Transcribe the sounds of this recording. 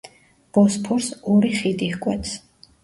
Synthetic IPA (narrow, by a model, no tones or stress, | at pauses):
b̥ɔspʰuɾsɔɾiχid̪ihkʼwɛt̪sʰ